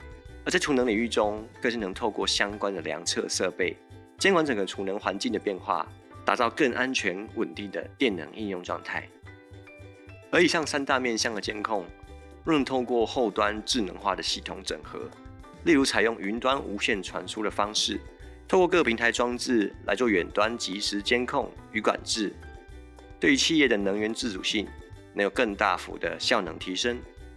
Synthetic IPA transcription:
ə˧˥t͡sa˥˩ɪtʰu˨˥nɤ˧˥ŋli˨˩y˥˩ʈ͡ʂʊ˦ŋkɤ˥˧ʂ̩˥˩nɤ˧˥ŋt̪ʰo˥˧ʊkwɔ˥˩ɕjɑ˥ŋkwa˦nd̪ə˨ljɑ̰˧˦˥ŋt͡sʰɤ̰˥˧ʂɤ̰˥˧pe˥˩ɪ | t͡ɕjɛ˥nkwa˧˦nʈ͡ʂə˨˩ŋxɤ˨˧˥ʈ͡ʂʰu˨˩nə˧˥ŋxwa˧˦nt͡ɕi˥˩ŋdə˩pjɛ˥˧nxwa̰˥˩ | t̪a̰˨˩t͡sɑ˥˧ʊkə˥˩ŋʔa˦nt͡ɕʰɥɛ˧˦˥nwə˨˩nt̪i˥˩ŋd̪ə̰˩t̪jɛ˥˨˩nːɤ̰˧˥ŋi˥˧njʊ˥˧ŋʈ͡ʂwɑ̰˥˧ŋt̪ʰa̰˥˩ɪ | ə˧˥i˨˩ɕɑ˥˩ŋsa˥nt̪a˥˧mjɛ˥˨nɕjɑ˥˨˩ŋd̪ə˩t͡ɕjɛ˥nkʰʊ˥˧ŋ | ɻə˥˩t̪ʰo˥˧ʊkwɔ˥˨xo˥˩ʊt̪wa˦nʈ͡ʂɻ̩˥˩nə̰˧˥ŋxwa̰˥˨˩d̪ə˩ɕi˥˩t̪ʰʊ˧˥ŋʈ͡ʂə̰˨˩ŋxɤ̰˧˦ | li˥˩ɻu˧˥t͡sʰa˨˩ɪjʊ˥˩ŋy˧˥nt̪wa˦˥nʔu˧˥ɕjɛ˥˩nʈ͡ʂʰwa̰˧˥nʂʰu˥d̪ə˨fɑ˥ŋʂɻ̩˥˩ | t̪ʰo˥˧kwɔ˥˧kɤ˥˩pʰi˧˥ŋt̪ʰa˧˥ɪʈ͡ʂwɑ˥˧ŋt͡sɹɻ̩˥˩la˧˥ɪt͡swɥɛ˨˩nt̪wa˦nt͡ɕi˧˥ʂɻ̩˧˥t͡ɕjɛ˥nkʰʊ˥˩ŋy˧˥kwa̰˨˩nʈ͡ʂɻ̩˥˩ | t̪we˥˩ɪy˧˥t͡ɕʰi˥˧jɛ˥˩d̪ə˩nɤ˧˥ŋɥɛ˧˥nt͡s̩˥˩t͡su˨˩ɕi˥˩ŋme˧˥jo˨˩kə˥˧ŋt̪a̰˥˩fṵ˧˥d̪ə̰˧ɕjɑ˥˩ʊnɤ̰˧˥ŋt̪ʰi˧˥ʂə˥ŋ

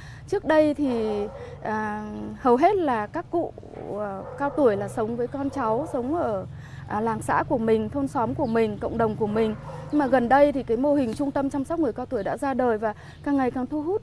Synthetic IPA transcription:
t͡ɕɨ˦˥ək̚ɗə˧jt̪ʰi˨˩ʔaː˨˩hə˨˩wɦe˦˥t̚laː˨˩kaː˦˥kːṵ˧˨˩ | kaː˧wt̪u˧˩əjlaː˨˩sə˨˦wŋ͡mvəː˨˦jkɔ˧nt͡ɕa˨˦wsə˨˦wŋ͡mʔəː˧˩ | ʔlaː˨˩ŋsa̰ː˧˥ku˧˩əmï˨˩ŋ̟t̪ʰo˧nsɔ˨˦mku˧˩əmï˨˩ŋ̟kə̰˧˨wŋ͡mɗə˨˩wŋ͡mku˧˩əmï˨˩ŋ̟ɲɨ˧maː˨˩ɣə˨˩nɗə˧jt̪ʰi˨˩kaː˨˦jmo˧hï˨˩ŋ̟t͡ɕʊ˧ŋ͡mt̪ə˧mt͡ɕɔ˧wmsɔ˦˥k͡p̚ŋɨ˨˩əjkaː˧wt̪u˧˩əjɗa̰ː˧˥zaː˧ɗəː˨˩jvaː˨˩ | kaː˧˩ŋːa˨˩jkaː˨˩ŋt̪ʰu˧ɦu˦˥t̚

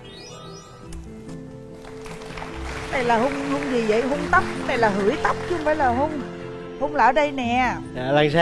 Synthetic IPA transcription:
t̪a̰ː˧˩jlaː˨˩ɦo˧wŋ͡mhu˧ŋ͡mzi˨˩və̰˧˨jɦʊ˧ŋ͡mt̪ə˦˥wk͡p̚t̪a˧˨jlaː˨˩ɦɨ˨˧˩əjt̪ə˦˥wk͡p̚t͡ɕɨ˧˦ə˧ŋfaː˧˦jlaː˨˩ɦo˧ŋ͡m | ho˧wŋ͡mlaː˨˩ʔəː˩˦ɗə˧jnɛ˨˩ | a˧˩la˧˩ŋsa˧

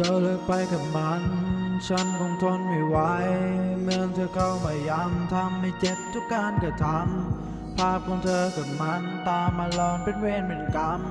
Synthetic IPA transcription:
t̪ʰəː˧˩lɯː˧˩k̚pa˧jka˨˩p̚ma˧˥nt͡ɕʰa˧˥nkʰɔ˧˩ŋt̪ʰo˧˥nmi˨˧˩wa˧˥jmɯ˧əŋt̪ʰɤː˧kʰa˧˩wma˨˩ja˧mt̪ʰa˧˥mna˧˩t͡ɕe˧˩p̚t̪ʰu˦˥kːaː˧nka˨˩t̪ʰa˧˥m | pʰaː˧˥˩p̚kʰɔ˧ŋt̪ʰɤː˧ka˨˩p̚ma˧˥nt̪aː˧mːa˧lɔː˧˩npe˧˥nweː˧nme˨˧˩nka˧˥m

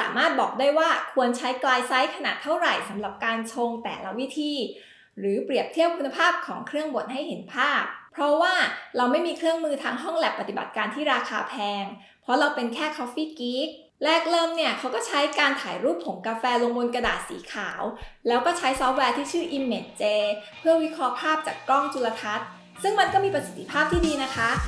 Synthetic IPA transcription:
sa̰ː˩˦maː˥˩t̪̚bɔː˨˩k̚daː˥˩jwaː˥˩kʰu˧ənt͡ɕʰa˦˥jklaː˧jsa˦˥jkʰa˧naː˨˩t̪ʰːa˥˩wɾa˨˩jsa˨˩˦mɾa˨˩p̚kaː˧nt͡ɕʰo˧ŋt̪ɛ̰ː˨˩la̰˦˥wi˦˥t̪ʰiː˧ | ɾɯː˩˦pɾi˨˩əp̚t̪ʰi˥˩əp̚kʰu˧nːa˧pʰaː˥˩p̚kʰɔː˩˦ŋkʰɾɯ˥˩əŋbo˨˩t̪̚ɦa˥˩jhe˩˦npʰaː˥˩p̚ʰɾɔ˦˥waː˥˩ɾa˧wma˥˩jmiː˧kʰɾɯ˥˩əŋmɯː˧t̪ʰaː˧ŋɦɔ˥˩ŋlɛ˨˩pːa˨˩t̪i˨˩ba̰˨˩t̪̚kaː˧nt̪ʰiː˥˩ɾaː˧kʰaː˧pʰɛː˧ŋ | pʰɾɔ˦˥ɾa˧wpe˧nkʰɛː˥˩kʰɔ˦˥fiː˥˩kiː˦˥k̚ | lɛː˥˩k̚lɤː˧mni˥˩əkʰa˦˥wkɔː˥˩t͡ɕʰa˦˥jkaː˧nt̪ʰaː˩˦jɾuː˥˩p̚ʰːo˨˩˦ŋkaː˧fɛː˧lo˧ŋwo˧nka˧daː˨˩t̪̚sḭː˩˦kʰaː˩˦wlɛː˦˥wkɔː˥˩t͡ɕʰa˦˥jsɔː˦˥p̚wɛː˧t̪ʰiː˥˩t͡ɕʰɯː˥˩ʔi˧mːe˨˩nt͡ɕeː˧pʰɯ˥˩əwi˦˥kʰɾɔː˦˥pʰaː˥˩p̚t͡ɕa̰ː˨˩kːɔ˥˩ŋt͡ɕʰu˧la˧t̪ʰa˦˥t̪̚ | sɯ˥˩ŋma˧nkɔː˥˩miː˧pɾa˧si˨˩t̪ʰːi̥˧pʰaː˥˩p̚t̪ʰiː˥diː˧na˦˥kʰa˦˥

